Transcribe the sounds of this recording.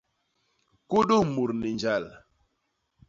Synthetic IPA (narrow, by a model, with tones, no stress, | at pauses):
ku˦ɗo˦˨mu˨ɾni˨ɲd͡ʒa˦˨l